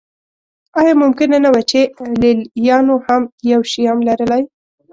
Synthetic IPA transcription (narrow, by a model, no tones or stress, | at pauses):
ɑjɑmʊmkɪnanawat͡ʃeleljɑnohamjawʃiamlaɾəlaj